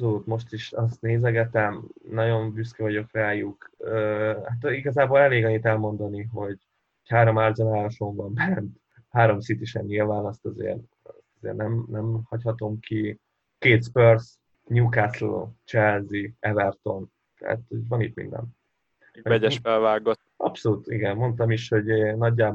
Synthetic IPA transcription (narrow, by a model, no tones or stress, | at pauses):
soluːt̪mo̞ʃt̪iʃɒst̪neːzɛɡɛt̪ɛmnɒɟo̞mbyskɛvɒɟo̞krɛaːjukøhat̪iɡɒzaːboːlɛleːɡɒɲːit̪ɛlmo̞nd̪ɒniɦo̞ɟ | hochaːɾomaːrzonaːlɒʃoɱvɒmbɛnt̪ | haːɾo̞msit̪iʃɛnːiɒvaːlɒst̪ɒzḛːr | sɒzḛːrnɛmnɛmhɒchɒt̪o̞mki | keːt̪spørs | ɲukaslo̰t͡ʃɛlziɛvɛrt̪o̞n | t̪ɛ̰a̰t̪hoɟvɒnḭt̪mḭnd̪ɛ̰n | ɛmɛɟɛʃfɛlvaːɡoʔɒ̰pso̞luːt̪iɡɛnmo̞nt̪ɒmiʃho̞ɟnɒɟːaːb